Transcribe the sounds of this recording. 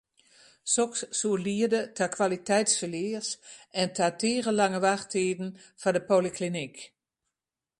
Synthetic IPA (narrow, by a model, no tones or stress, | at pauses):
sɔksːuəliədətʰakʰʋalitʰɛjtsfəlɪːrsɛntʰatʰeːɣəlaŋəʋaχteːdn̩ | fadəpoliklinik